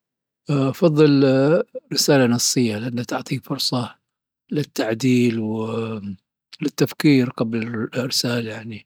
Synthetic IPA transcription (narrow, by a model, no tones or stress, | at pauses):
ʔʔfɑðˤːɨl | ɾɪsaːlanɑsˤːɨjːalɪʔanːat̪ʊʕt̪ˤifʊɾsˤɑ | lɪt̪ːaʕd̪iːlwɪ | lɪt̪ːafkiːɾqɑblɪrɪsaːlajaʕni